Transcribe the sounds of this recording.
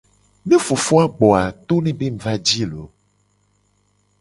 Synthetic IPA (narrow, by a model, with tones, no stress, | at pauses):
nẽ˦fo˨fo˦a˦ɡ͡bɔ˨a˨t̪o˦nẽ˦be˦m̩˦˨va˦d͡ʑi˦lo̰˨